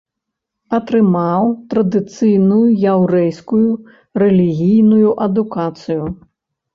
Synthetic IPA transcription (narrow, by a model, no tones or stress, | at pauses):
ɐt̪ɾɨmawt̪ɾɐd̪ɨt̪sɨjnujujawɾɛjskuju | rɛlʲiɣʲijnujuʔɐd̪ukat̪sɨju